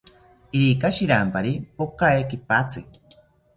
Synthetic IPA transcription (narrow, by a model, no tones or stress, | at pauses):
iɾikaʃiɾampaɾipokaekipat͡sɨk